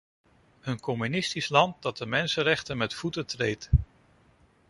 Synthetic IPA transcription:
ənkɔmynɪstislɑnt̚dɑt̚dəmɛnsəɾɛχtənmɛtfutətrejt

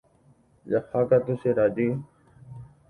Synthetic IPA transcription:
jaxaːkat̪useːɾaːd͡ʒiː

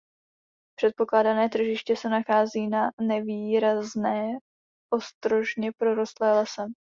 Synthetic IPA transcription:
pr̝̥ɛt̪̚po̞klaːdanɛːt̪r̩ʒɪʃcɛsɛnaxaːziːnanɛviːɾaznɛː | ʔo̞st̪ɾo̞ʒɲɛpɾo̞ɾost̪lɛːlɛsɛ

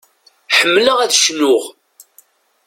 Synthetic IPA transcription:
ħəmːləʁæðʃnʊʁ

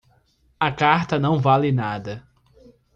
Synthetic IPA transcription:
ɐkaɾt̪ɐnɐ̃w̃valɪnad̪ɐ

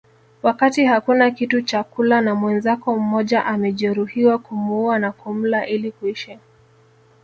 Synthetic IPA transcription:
wakatihakunakitut͡ʃakulanamwɛnzakɔm̩mɔʄaʔamɛʄɛɾuhiwakumuanakum̩laʔilikuiʃa

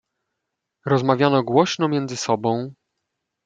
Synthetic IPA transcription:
ɾɔzmavʲjanɔɡwɔɕnɔmʲjɛnd̪zɘsɔbɔ̃w̃

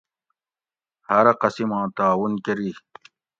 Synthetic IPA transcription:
hɐɾɐqɐsimãːt̪aːwunkeɾi

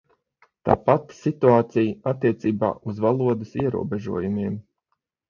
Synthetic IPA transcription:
t̪a̰ːpat̪sit̪uaːt̪sijat̪ːiɛt̪siːba̰ːʔuzvalˠuɔd̪ɨsiɛɾṵɔbeʒuɔjumiɛm

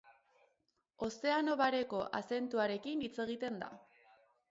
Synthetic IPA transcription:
o̞se̞ano̞βaɾe̞ko̞ʔase̞nt̪uaɾe̞kinit͡se̞ɣ̞it̪e̞nd̪a̰

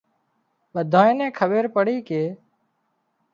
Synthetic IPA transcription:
ɓəd̪ʱaːẽːnẽːkʰəɓeːɾpəɽiːkeː

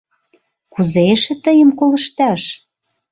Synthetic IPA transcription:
kuzeʃɘ̆t̪əjə̆mkolə̆ʃt̪ɑʃ

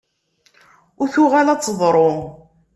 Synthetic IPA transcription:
ʊɾθuʁalɑt͡sːðˤɾˤo

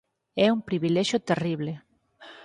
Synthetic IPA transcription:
ɛumpɾiβilɛʃjot̪eriβle

